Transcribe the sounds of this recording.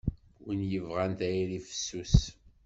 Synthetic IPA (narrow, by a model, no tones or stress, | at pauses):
wnjəvʁænt̪æjɾifə̥sːus